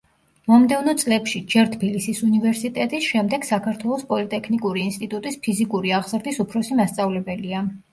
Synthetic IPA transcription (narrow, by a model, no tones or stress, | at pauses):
mɔmd̪ɛvnɔt̪sʼlɛpʃid͡ʒɛɾt̪ʰbilisisunivɛɾsit̪ʼɛt̪ʼisʃɛmd̪ɛɡ̥sakʰaɾt̪ʰwɛlˠɔspʼɔlit̪ʼɛkʰnikʼuɾiːnst̪ʼit̪ʼut̪ʼispʰizikʼuɾiaʁzɾd̪isupʰɾɔsimast̪sʼavlɛbɛlia